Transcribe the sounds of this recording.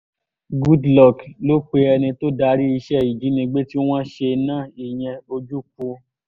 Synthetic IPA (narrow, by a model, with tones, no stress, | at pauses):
ɡu˦dlɔ˦˨klo˨˦k͡pe˧ɛ˧nĩ˧to˦da˨˦ɾi˦i˧ʃɛ˦˨i˨d͡ʒi˨˦nĩ˧ɡ͡be˦ti˦w̃ɔ̃˦ʃe˧nãː˦˨i˨j̃ɛ̃˧o˧d͡ʒu˦k͡pu˧